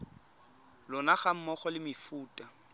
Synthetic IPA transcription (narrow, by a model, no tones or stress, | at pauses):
lʊnaχam̩mɔχɔlɪmɪfuːtʼa